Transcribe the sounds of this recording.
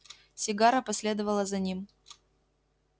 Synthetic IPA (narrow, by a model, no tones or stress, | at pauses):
sʲɪɡaɾəpɐsʲlʲe̞d̪əvəlˠəzɐnʲim